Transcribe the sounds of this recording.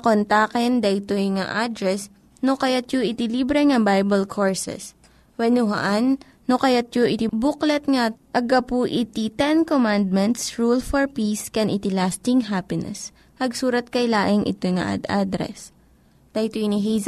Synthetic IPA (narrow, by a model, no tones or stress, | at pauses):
ɐkont̪akɛnd̪ɐjt̪ojŋa̰ʔad̪ɾɛs | nokɐjat̪̚joʔɪt̪ɪlibɾɛŋɐbajbɐlkʰoɹsɛ̰s | wɛnuɦɐ̰ʔanː | okɐjat̪̚joʔɪt̪ibuklɛt̪̚ŋaʔɐɡɐpuʔɪt̪it̪ɛnkomand̪̚mɛnt̪sɹulfɔɹpiskɛnʔɪt̪ɪlast̪ɪŋɦapɪnɛ̰s | pɐɡsuːɾɐt̪̚kɐjlaːʔɪŋʔɪ̰t̪ojŋɐ̰ʔa̰d̪ʔa̰d̪ɾɛ̰s | d̪̥ɐjt̪ojnɪɦijz